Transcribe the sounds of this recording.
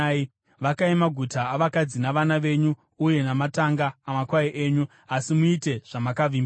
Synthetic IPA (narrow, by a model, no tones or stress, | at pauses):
ʋakaimaɡʱutaːʋakad͡zinaʋanaʋe̞ɲu | uje̞namataŋɡaːmakwaiʔeːɲu | asimuite̞ʐ̥amakaʋiːmb